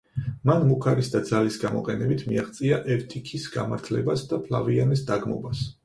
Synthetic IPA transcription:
manmukʰaɾisd̪ad̪zalisɡamɔ̰qʼɛnɛbit̪ʰmiaχt̪sʼiaʔɛɾt̪ʰikʰisɡa̰maɾt̪ʰlɛbasd̪apʰla̰vianisd̪aɡmɔ̰bas

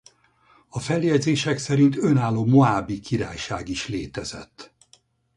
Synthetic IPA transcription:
ɒfɛljɛdzeːʃɛksɛɾint̪ø̞naːlːoːmoaːbikiɾa̰ːjʃa̰ːɡiʃleːt̪ɛzɛ̰t̪ː

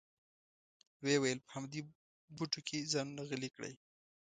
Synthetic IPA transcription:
wewajəlpə̥hamd̪e | buʈokʰezɑnunaɣəlikɽə̰j

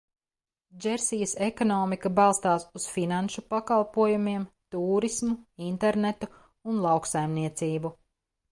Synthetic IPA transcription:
d͡ʒɛɾsijəsekɔnɔːmikɐbalˠst̪aːsusfinanʃupakalˠpuɔjumiɛmt̪uːɾismuint̪eɾnet̪u | unlˠɑwksajmniɛt̪siːbu

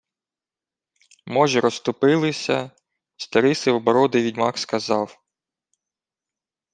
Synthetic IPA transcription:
mɔʒɛɾɔst̪ʊpɪlˠɪsʲɐ | st̪ɐɾɪsɪwɔbɔɾɔd̪ɪʋʲidʲmɑkskɐzɑw

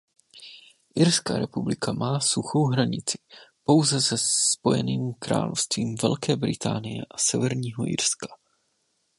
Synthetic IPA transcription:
ʔɪɾska̰ːɾɛpublɪkamaːsuxo̞wɦɾaɲɪt͡sɪ̥po̞wzɛsɛspo̞jɛ̰niːmkɾa̰ːlofst̪viːmvɛ̰lkɛːbɾɪt̪ʰaːnɪjɛ̰ʔasɛvɛɾɲiːɦoʔɪ̰ɾskḁ

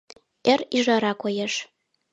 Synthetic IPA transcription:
eɾiʒɑɾɑkojeʃ

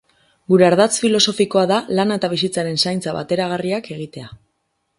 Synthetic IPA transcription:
ɡuɾe̞aɾð̞at͡sfilo̞so̞fiko̞aðalanet̪aβ̞isit͡saɾe̞nsajnt͡saβa̰t̪e̞ɾaɣ̞ariake̞ɣ̞it̪e̞a

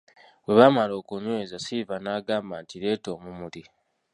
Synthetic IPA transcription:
we̞βamalo̞ːkuɲwe̞ːzasivanaːɡaːmbantiɾe̞ːto̞ːmumuli

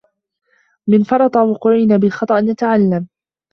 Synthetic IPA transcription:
mɪnfɑɾˤɑt̪ˤɑwʊːqʊːʕɪnaːbɪlxɑt̪ˤɑʔnjat̪aʕalːam

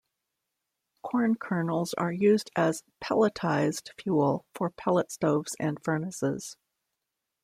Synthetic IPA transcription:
kʰɔɹnkʰɜ˞nl̩ˠzə̰˞jʉzdɨz̥pʰɛ̰lˠətʰaɪz̥d̥fjul̩ˠfə˞pʰɛlˠətstoʊvz̥ɨ̃nfɜ˞nəsɪ̰z̥

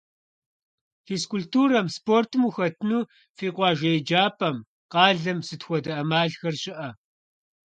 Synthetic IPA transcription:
xiːskʊltuːɾɐmspoːrtʰɨmuxɐtʰɨnuː | fiːqʷɑːʒɐjd͡ʒaːpʰʼɐm | qɑːɮɐmsɨtxʷɔdɐʔɐmaːɮxɐrɕʼɪʔɐ

